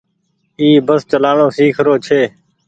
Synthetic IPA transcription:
iːbəst͡ʃəlaːɳoːsiːkʰɾoːt͡ʃʰeː

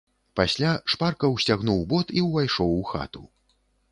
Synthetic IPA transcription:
pasʲlʲaʂparkɐwsʲt͡sʲaɣnuwbɔt̪iwvajʂɔwuxa̰t̪u

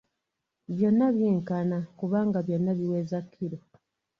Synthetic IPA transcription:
βjonːaβjiːŋkanakuβaːŋɡaβjonːaβiweːzakʰːiɾo

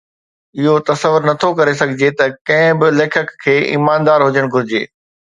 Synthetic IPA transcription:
ɪɦot̪ɐsəʋʊɾnɐt̪ʰokɐɾes̬ɐɡʱɪd͡ʑet̪ɐkɐ̃ɦɪ̃bɪleːkʰəkʰːeːʔḭːmaːnd̪aːɾɦʊd͡ʑəɽ̃ɡʱʊɾɪd͡ʑeː

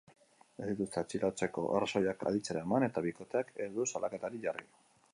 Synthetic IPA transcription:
e̞zðit̪ust̪eat͡ʃilat͡se̞ko̞̰ʔersojaka̰ðit͡seɾaemane̞t̪aβiko̞t̪e̞akezðusalake̞t̪aɾiʝarḭ

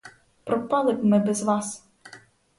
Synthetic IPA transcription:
pɾɔpɑlˠɪbmɪbɛzʋɑs

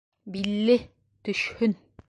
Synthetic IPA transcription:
bilːɘ | t̪ɵ̆ʃhɵn

